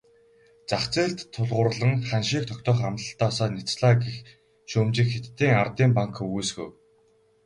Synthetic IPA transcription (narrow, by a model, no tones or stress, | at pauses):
t͡saχt͡seːɮt̪ʰːʊɮʁʊːr̆ɮə̆ŋχanʃiːk̚t̪ʰɔkt̪ɔːχamt̪ə̆ɬt̪ɔːsɔːnit͡sɮaːɡix | ʃoːmt͡ɕɪ̆kxet̪ːiːŋart̪iːmpaŋkujsɡṵw